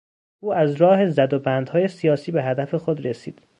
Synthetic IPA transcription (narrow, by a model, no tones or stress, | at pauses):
ʔuːæzɾɒːhe̞zæd̪obænd̪hɒːje̞sijɒːsiːbeɦæd̪æfe̞xod̪ɾesḭːd̪̥